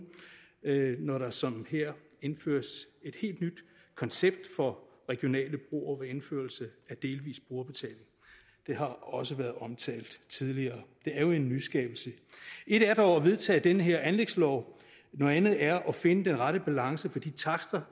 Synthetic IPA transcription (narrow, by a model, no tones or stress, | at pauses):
nɒɾɑ̈sɒ̽mheɐ̰ | e̝nfø̰ːɐse̝d̥he̝̰ːld̥nyd̥ | kʰɒ̽nseb̥̚d̥fɒ̽ | ʁɛɡ̥ijo̝nɛ̰ːləb̥ʁo̝̰ːɒʋee̝nfø̰ɐlsəæd̥e̝ːlʋḭːsb̥ʁoɐb̥e̝t͡sʰɛ̰ːle̝ŋ | d̥e̝ɦɑ̈ɒ̽səʋæɐð̩ˠɒ̽mt͡sʰɛ̰ːld̥t͡sʰið̞ˠliɐːd̥e̝æɐjo̝e̝nːysɡ̥ɛ̰ːb̥l̩səe̝ɾ̥æd̥ɒʊ̰ɒʋe̝ðˠt͡sʰɛ̰ːd̥enəɦeɐ̰ænleɡ̥slɒʊ | no̽ð̩ˠænð̩ˠæɐʔɒ̽fe̝nəd̥enʁɑɾəb̥ælɑ̈ŋsəfɒ̽d̥ḭːt͡sʰɑ̈ɡ̥sd̥ɐ